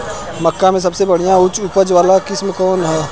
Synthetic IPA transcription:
məkːãmẽs̬ɐbsebɐɽ̤ijãʊt͡ʃʊpəd͡ʒʋaːlakɪsmekɔːnɦɛː

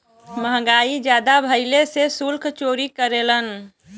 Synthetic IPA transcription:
məɦəɡaid͡ʒjad̪abʱəɪlesesulkʰt͡ʃoɾikəɾelən

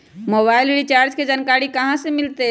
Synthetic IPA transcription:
moːbaːɪlɾit͡ʃaːɾd͡ʒked͡ʒənkaːɽikəɦãsemɪlt̪e

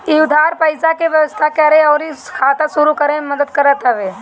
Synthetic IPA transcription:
iud̪ʱaːɾpəjsakeʋjɐʋəst̪ʰakɐɾeɔːɾikʰaːt̪asuɾukəɾeməd̪əd̪̚kɐɾət̪ɦɐʋe

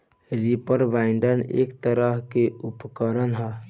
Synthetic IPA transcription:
ɾipəɾʋaːɪɳɖənḛːkt̪əɾəɦkeʊpkəɾənɦɛː

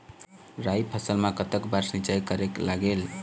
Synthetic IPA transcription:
ɾajpʰəsəlmakət̪əkbaɾsĩt͡ʃajkəɾeklaɡel

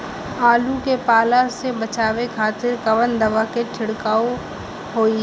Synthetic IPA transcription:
aːlukepaːlasebɐt͡ʃaːʋekʰaːt̪ɪɾkɐʋənd̪ɐʋakeʈʰɪɽkaːo | ɦoːi

